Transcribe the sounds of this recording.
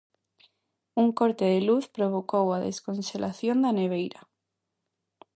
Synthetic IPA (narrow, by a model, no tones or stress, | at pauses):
uŋkoɾt̪eðeluθpɾoβ̞okowaðḛskonselʔaθjond̪aneβ̞ejɾɐ